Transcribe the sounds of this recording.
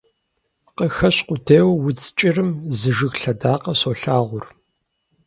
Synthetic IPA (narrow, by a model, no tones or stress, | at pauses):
qəxɐɕqʷʊdʰeːwwʊt͡sʼt͡ʃʼɪrɨmzɨʒɨɣɬɐdaːqɐsoːɬaːʁʷʊr